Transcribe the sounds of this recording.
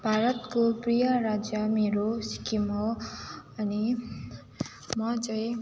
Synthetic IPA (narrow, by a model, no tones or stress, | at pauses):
bʱaɾʌt̪koprijʌɾad͡zjʌmeɾosi̥kimɦo | ʌni | mʌt͡sʌ̃j̃